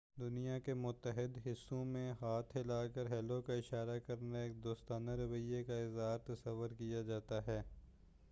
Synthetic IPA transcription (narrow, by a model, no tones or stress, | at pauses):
d̪ʊnijakemʊt̪ːəɦɪd̪ɦɪsːõmẽɦaːt̪ʰɦɪlaːkɐɾɦɛːlokaɪʃaːɾakɐɾnaeːk̚d̪oːst̪aːnaɾɐʋəjekaɪzaːɾt̪ɐsɐʋːəɾkijad͡ʒaːt̪aɦɛː